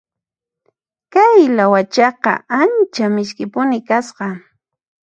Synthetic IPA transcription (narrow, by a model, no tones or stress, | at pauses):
kajlawat͡ʃɑqɑ̰ant͡ʃamɪʃkɪpʊnɪkasqɑ